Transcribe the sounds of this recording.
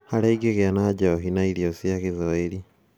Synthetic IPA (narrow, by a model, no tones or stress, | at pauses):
haɾaiɡeɣeanad͡ʒaoɦinaiɾiosiaɣezɔeɾi